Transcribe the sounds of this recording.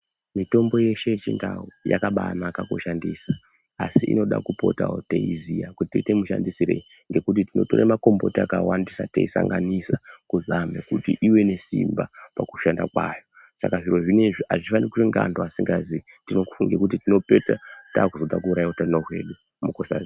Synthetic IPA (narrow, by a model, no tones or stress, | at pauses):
mito̞mbo̞je̞ʃe̞t͡ʃindawoja̰kaɓanakakoʃandisa | asiʔḭno̞ɗa̰kupo̞tao̰teizijakutitoitemuʃandisiɾei | ŋɡe̞kut̬itino̞toɾemako̞mbo̞tiakawandisateisaŋɡanisakuzamekutiʔiwe̞ne̞sḭmbapakuʃandakwaːjo | sa̰kaʐiɾo̞ʐineʐiaʐiifanirkureŋɡandoasiŋɡazi | tinoku̥fuŋɡe̞kutitino̞pe̞tataːkuzo̞dakuːɾajiotainoɦwe̞̰ɗu | mukosa̰zi